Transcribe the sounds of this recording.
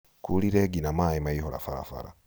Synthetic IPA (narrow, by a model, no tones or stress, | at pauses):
kuliɾeɡinamaimaiɦola̰faɾa̰fa̰ɾa̰